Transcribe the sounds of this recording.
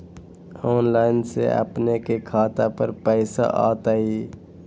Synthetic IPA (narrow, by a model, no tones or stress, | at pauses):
oːnlaːɪnsḛə̰pnekekʰaːt̪apəɾpɛɪsa̰ʔa̰ːt̪aiː